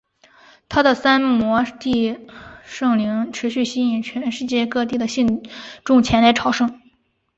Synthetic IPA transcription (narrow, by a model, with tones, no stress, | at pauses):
t̪ʰa˥d̪ə˨sa˥nmwɔ˧˥t̪i˥˩˧ | ʂɤ˥˩ŋli˧˥ŋʈ͡ʂʰɻ̩˧˥ɕy˥˩ɕi˥˩ni˨˩t͡ɕʰɥɛ˧˥nʂɻ̩˥˧t͡ɕjɛ˥˧kɤ˥˧t̪i˥˩d̪ə˩ɕi˥˩nʈ͡ʂʊ˥ŋt͡ɕʰjɛ˧˥nla˧˥ɪʈ͡ʂʰɑ˨˥ʊʂɤ˥ŋ